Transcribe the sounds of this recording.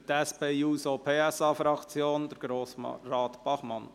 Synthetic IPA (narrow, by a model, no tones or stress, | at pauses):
t̪ɛspeːuːsopʰeːɛsɑːfɾɑkt͡sjoːnd̪̥əɾɡ̥ɾoːsrɑːtb̥ɑχmɑn